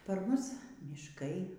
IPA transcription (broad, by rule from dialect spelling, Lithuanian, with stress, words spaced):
pɐr ˈmʊs mʲiːʃˈkɐɪ